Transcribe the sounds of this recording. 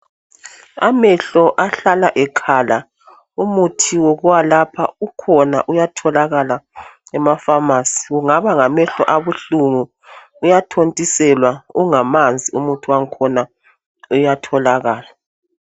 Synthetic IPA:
a̰mɛɬɔʔaɬalaʔɛkʰala | umutʰiwɔɣuwalapʰa̰ukʰɔna̰ʔujatʰɔlaɣalaɛmafamasi̥ɣuŋaβaŋamɛɬɔʔaβuɬuŋu | ujatʰontʼisɛlwauŋamand͡zʱiumutʰuwaŋkʰɔna | ujatʰɔlaɣaːla

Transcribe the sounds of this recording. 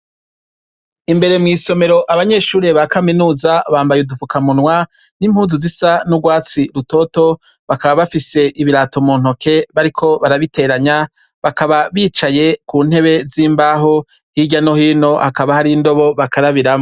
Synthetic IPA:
imbe̞ɾe̞mŋiːso̞me̞ɾo̞ʔaβaɲe̞ːʃuːɾeβakaminuːzaβaːmbajeudufukamunwa | nimhuːnzuzisanuɡwaːt͡siɾuto̞to̞ | βakaβaβafise̞ʔiβiɾato̞muːn̥o̞kʰe̞βaɾikʰo̞βaɾaβite̞ɾaɲa | βakaβaβiːt͡ʃaje̞kuːn̥e̞βe̞ziːmbaːɦo | hiɟano̞hiːno̞hakaβahaɾindo̞βo̞βakaɾaβiɾamo

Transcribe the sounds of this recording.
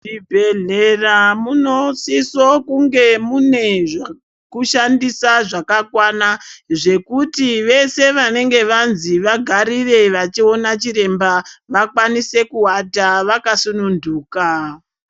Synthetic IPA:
ibʱeɮeramunosiso̞kuŋɡe̞mune̞ʐ | kuʃandisaʐakakwanaʐe̞kutiʋe̞se̞ʋane̞ŋɡe̞ʋanziʋaɡʱaɾire̞ʋat͡ʃio̞nat͡ʃiɾe̞mbaʋakwanise̞kuwataʋakasununduːka

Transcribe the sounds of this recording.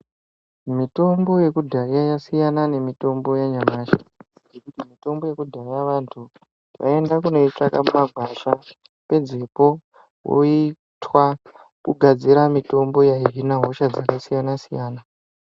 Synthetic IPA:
mito̞mbo̞je̞kudʱajajasijanane̞mito̞mbo̞jaɲamaːʃḁ | jekutimito̞mbo̞je̞kudʱajaʋantʰu | ja̰e̞ndakuno̞it͡ʂakamumaɡʱwaʃa | pe̞d͡ze̞po̞ | wo̰i | tʰwa | kuɡʱad͡ziɾamito̞mbo̞jaiɦinaɦo̞ʃad͡zakasijanasijaːna

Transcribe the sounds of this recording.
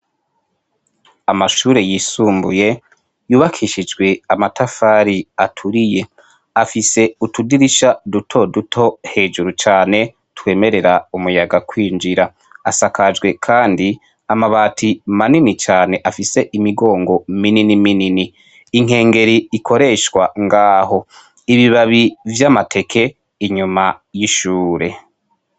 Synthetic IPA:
amaʃuːɾe̞jiːsuːmbṵje̞ | juːβakʰiʃid͡ʒɡwe̞amatʰafaɾiatʰuɾije̞ | afise̞utudiɾiʃadutʰo̞dutʰo̞he̞ːʒuɾut͡ʃaːne̞ | twe̞ːme̞ɾe̞ɾaumujaɡakwiːnd͡ʒiɾa | asakʰaʒɡwe̞kʰaːndi | amaβaːtʰimaninit͡ʃaːne̞ʔafise̞ʔimiɡo̞ːŋɡo̞mininimininiː | ŋ̥e̞ːŋɡe̞ɾiːkʰo̞ɾe̞ʃwaŋɡaːho̞ | iβiβaβivjamatʰe̞kʰe̞ | iɲumajiʃuːɾe

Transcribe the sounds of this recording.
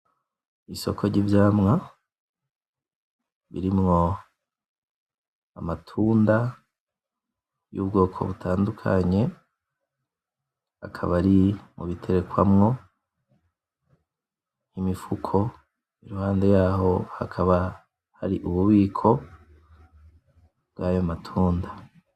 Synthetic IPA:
iso̞kʰo̞ɾɟivjaːmŋa | βḭɾimŋo̞ | amatʰuːnda | jṵːbɡo̞ːkʰo̞̰βutʰaːndukʰa̰ɲe̞ | a̰kʰa̰βaɾimʔuβitʰe̞ɾe̞kwamŋo̞ | nimifukʰo̞ | iɾuhaːnde̞jaːɦo̞ha̰kʰaβa | ha̰ɾiʔuβuβiːkʰo̞ | bɡaːjomatʰuːnda

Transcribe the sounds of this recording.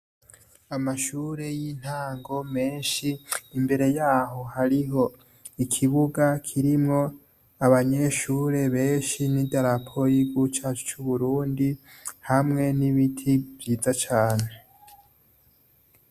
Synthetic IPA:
amaʃuːɾe̞jin̥haːŋɡo̞me̞ːnʃiːmbe̞ɾe̞jaːɦo̞haɾiɦo̞ | ikʰiβuɡakʰiɾimŋo̞ | aβaɲe̞ʃuːɾe̞βe̞ːnʃinidaɾapʰo̞jiɡut͡ʃaːt͡ʃu̥t͡ʃuβuɾuːndi | hamŋe̞niβitʰivjiːzat͡ʃaːne̞

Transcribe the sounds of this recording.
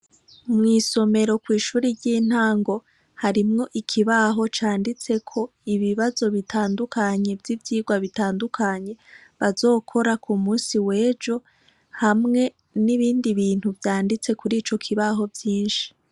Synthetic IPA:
umŋiːso̞me̞ɾo̞kwiːʃuːɾiɟiːn̥haːŋɡo̞ | haɾimŋo̞ʔikʰiβaɦo̞t͡ʃaːndit͡se̞kʰo̞ | iβiβazo̞βitʰaːndukaɲe̞vjivjiːɡwaβitaːndukʰaɲe̞βazo̞ːkʰo̞ɾakʰumuːnsiwe̞ːd͡ʒo̞ | hamŋe̞ | niβiːndiβiːn̥huvjaːndit͡se̞kuɾiːt͡ʃo̞kʰiβaɦo̞vjiːnʃi̥

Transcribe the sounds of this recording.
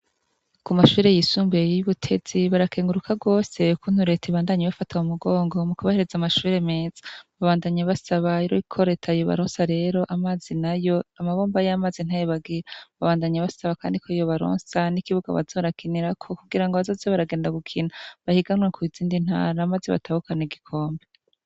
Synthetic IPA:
kumaʃuːɾe̞jisuːmbejuβutʰe̞z̥iβaɾakeːŋɡuɾukʰaɡo̞ːse̞ukun̥uɾe̞teβaːndaɲeβafatʰaumuɡo̞ːŋɡo̞mukuβahe̞ɾe̞zamaʃuːɾe̞me̞ːz̥ḁβaβaːndaɲaβasaβaiɾoikʰo̞ɾe̞tʰaijoβa̰ɾoːnsaɾe̞ɾo̞ʔamaːzinajo̞amaβoːmbajamaːzin̥hajoβaɡiɾaβaβaːndaɲaβasaβaka̰ːndikʰo̞ijoβaɾo̰ːnsanikiβuɡa̰βa̰zo̞ɾakʰiniɾakʰo̞kuɡiɾaŋɡoβazoːzeβaɾaɡeːndaɡukʰinaβahiɡanwakʰuiziːndin̥ha̰ːɾaːmaːzeβa̰tahukaneɡikʰo̞ːmbe

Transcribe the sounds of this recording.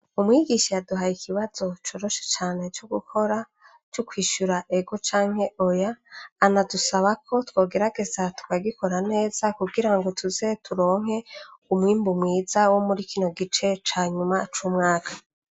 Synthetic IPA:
umwiɡiʃejaduɦajikiβaz̥o̞t͡ʃo̞ːɾo̞ʃe̥t͡ʃaːne̞t͡ʃoɡukʰo̞ɾa | t͡ʃokwiːʃuɾaʔe̞ɡo̞t͡ʃaːŋ̥he̞ʔo̞jaːnadusaβakʰo̞two̞ːɡe̞ɾaɡe̞zatu̥kaɡikʰo̞ɾane̞ːz̥akuɡiɾaŋɡo̞tʰuze̞tʰuɾo̞ːŋ̥he̞umwiːmbumwiːzawo̞muɾikiːno̞ɡit͡ʃe̞t͡ʃaːɲumat͡ʃuːmŋaːkʰḁ

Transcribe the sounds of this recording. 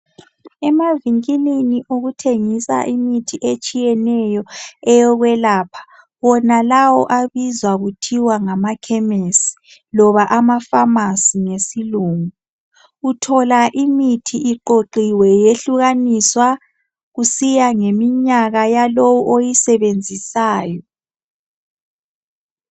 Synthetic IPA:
ɛmaviŋiliniʔoɣutʰeŋisa̰ʔimitʰiʔet͡ʃʼijɛnɛjɔɛjɔɣwɛlaːpʰḁ | wɔnalawɔ̰ʔaβizwaɣutʰiwaŋamakʰɛmesi̥ | lɔβaʔamafamasiŋesiluŋu | utʰɔlaʔimitʰiʔiǃoǃiwɛjeɬuɣaniswa | ɣusijaŋemiɲaɣajalowuʔojisɛβend͡zʱisaːjɔ

